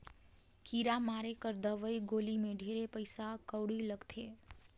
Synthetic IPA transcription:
kiɾamaɾekəɾd̪əʋəjɡolimẽɖʱeɾepəɪsakəwɽiləɡt̪ʰe

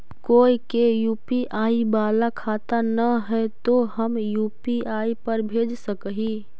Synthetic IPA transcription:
koːikejuːpiʔaːibaːlakʰaːt̪anɐɦɛt̪oɦɐmjuːpiaːipəɾbʱeːd͡ʒsəkɦiː

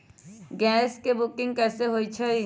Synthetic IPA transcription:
ɡɛːskebʊkɪ̃ŋɡ̚kɛːseɦoːit͡ʃʰɛi

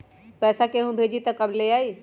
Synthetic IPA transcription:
pɛːsakẽɦũnd̪ʱed͡ʑit̪ɐkɐbʱleaːiː

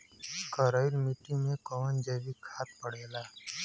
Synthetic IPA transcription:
kəɾəɪlmiʈimẽkɔʋənd͡ʒeːʋikʰaːt̪̚pəɽeːlaː

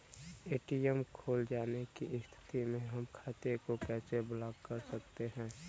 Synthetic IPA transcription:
eːʈijəmkʰoːld͡ʒaːnekiɪst̪ʰɪ̥t̪imẽɦəmkʰaːt̪ekokɛːseblaːɡkəɾsək̚t̪eɦɛ̃ː

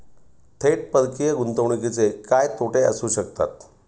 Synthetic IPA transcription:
t̪ʰeʈ̚pəd̪kijəɡunt̪əʋɳikit͡sekajt̪ʰoʈeə̰suːɕək̚t̪a̰t̪̚

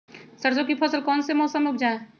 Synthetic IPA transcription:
sɐɾd͡ʒokipʰɐsəlkɔːnsemɔːsəmʊp̚ʰd͡ʒaːẽ

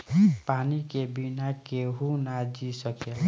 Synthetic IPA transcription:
panikebinakeɦũnad͡ʒisəkel

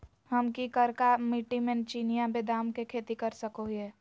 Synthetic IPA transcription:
həmkikəɾkamiːʈimẽnt͡ʃiːnijabed̪aːmkekʰeːt̪ikəɾsəkoɦeː

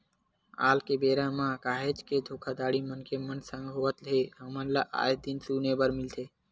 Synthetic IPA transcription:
a̰lkebeɾamãkaɦed͡ʒked̪ʱokʰad̪aɽimənkemənsə̃ŋɡɦoət̪lɦeɦəməɾlaʔa̰jed̪insunebəɾmilt̪ʰe

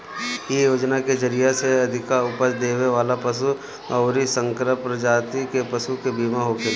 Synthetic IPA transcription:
ejoːd͡ʒnaked͡ʒɐɾijeseɐd̪ʱɪkaʊpəsd̪eːʋeʋaːlapɐs̬u | ɐʊɾisə̃ŋkəɾəpɾəd͡ʒaːt̪ikepɐsukebiːmãɦoɡe

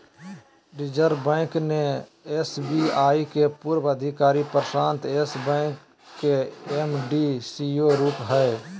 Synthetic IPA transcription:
ɖɪd͡ʒəɾbɛ̃ːkne | esbiaːikepuːɾbəd̪ʱɪkaːɾipɾəʃãːnt̪esbɛ̃ːkː | eemɖisioɾuːpɦɛː

